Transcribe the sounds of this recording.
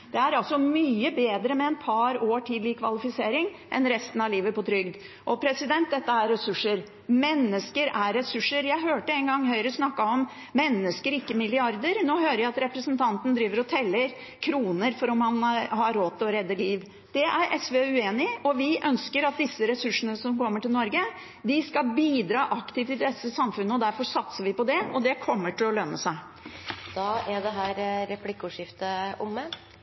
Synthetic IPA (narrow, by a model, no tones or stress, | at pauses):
d̪̥ɛæɾɑlsɔmyːəbeːd̪ɾəmɛɛnpʰɑɾoːʈʰiːd̪lɪkʰʋɑ̰lɪfɪseːɾɪŋ | ʔɛnɾɛst̪n̩ɑʋliːʋəpɔt̪ʰɾʏɡd̪ | ʔɔpʰɾɛsɪd̪ɛnt̪̚d̪ɛt̪ːəæɾɛsʉʂːəɾ | mɛnːəskəɾæːɛsʉʂːəɾjæɪɦøːʈəɛnɡɑŋːɦœʏɾəsnɑkːɑɔm | mɛnːəskəɾɪkːəmɪlɪɑɾd̪əɾnoːhøːɾəjæɪɑt̪ɾɛpɾəsnt̪ʰɑnt̪ən̩d̪ɾiːʋəɾɔt̪ʰɛlːəɾ | kʰɾuːnəɾfɔɾɔmhɑnhɑɾoːt̪ʰɪlɔɾɛd̪ːəliːʋ | d̪̥ɛʔæɾʔɛsʋeːʉeːnɪɔʋɪʔœnskəɾɑt̪̚d̪ɪsːəɾɛsʉʂənəsɔmkʰɔmːəʈɪlnɔɾɡə | d̪ɪskɑlbiːd̪ɾɑːʔɑkt̪ɪːft̪ɪld̪ɛsəsɑmfʉnːəɔd̪æɾfɔsɑt̪səʋɪpɔd̪ɛɔd̪ɛkʰɔmːəʈɪlɔlœnːəsæɪ | d̪̥ɑːæd̪ɛɦæːɾɾɛpʰlɪkːuʂɪft̪əʊmːə